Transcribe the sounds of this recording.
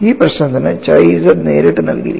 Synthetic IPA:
iːprɐɕnɐt̪inɨt͡ɕɐjsɐnḛːɾiʈːɨnɐ̰lkḭɾikː

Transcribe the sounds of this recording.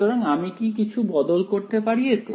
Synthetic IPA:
t̪oɾaŋamikikit͡ɕʰubɔd̪olkoɾt̪epaɾijet̪u

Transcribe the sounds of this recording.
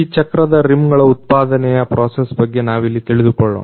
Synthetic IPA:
iːt͡ʃɐkɾɐd̪ɐɾimɡɐɭɐut̪̚paːd̪ɐnɛjɐpɾʔoːsesbɐɡːenaːʋilːit̪iɭid̪ukoɭːo̰ː

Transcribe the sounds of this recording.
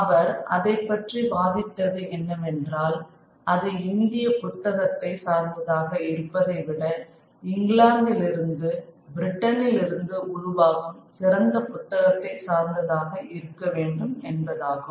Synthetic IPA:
ɐʋɐɾʔɐ̰ðɐɪpːɐʈribaːðɪt̪ːɐðɯɛnːɐmɛndraːl | ʔɐðɐɪnd̪ɪjɐpʊt̪ːɐɣɐt̪ːɐɪsaːɾnd̪ɐðaːɣɐɪɾɯpːɐðɐɪʋɪɽɐ | ɪŋɡɭaːɳɖ̪ɪlɪɾɯnd̪ɯbɪɾɪʈːɐnɪlɪɾɯnd̪ɯʔʊɻʊʋaːɣɯmsɪɾɐnd̪ɐpʊt̪ːɐɣɐt̪ːɐɪsaːɾnd̪ɐðaːɣɐʔɪɾɯkːɐʋeːɳɖɯmɛnbɐðaːɣɯ

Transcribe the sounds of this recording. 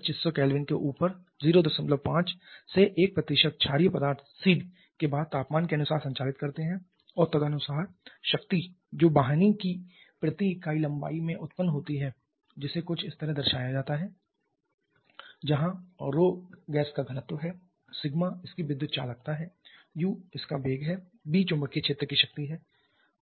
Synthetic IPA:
t͡ʃɪsːokɛːlʋɪnkḛʔuːpəɾ | ziːɾod̪ɐsmət̪ləb̚pãːt͡ʃseʔeːk̚pɾɐt̪iɪːʃək̪̚t͡ʃʰaːɾijpɐd̪aːɾt̪ʰsiːɖ | kebaːd̪̚t̪aːpmaːnkeɐnʊsaːɾsɐ̃ɲt͡ʃaːlɪt̪̚kɐɾt̪eɦɛ̃ | ɔːɾt̪ɐɡ̪anʊsaːɾʃɐkt̪id͡ʒoːbaːɦnikipɾɐt̪ikaːilɐ̃mba̰ːimẽʔʊt̪pənɦoːt̪iɦɛ | d͡ʒɪsekʊt͡ʃʰɪst̪ɐɾəɦd̪ɐɾʃaːjad͡ʒaːt̪aɦɛ | d͡ʒɐɦãɾoːɡɛːskaɡʱɐnət̪wəɦɛ | sɪɡmaɪskiʋɪd̪jʊt̪t͡ʃa̰ːlɐɡ̚t̪aɦɛː | juːɪskabʱeːɡɦɛ | biːt͡ʃʊ̃mbəkːet͡ʃʰeːt̪ɾəkiʃɐk̚t̪iɦɛː

